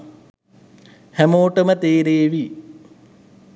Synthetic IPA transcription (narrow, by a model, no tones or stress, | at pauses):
hæmoːʈəmət̪eːɾeːʋi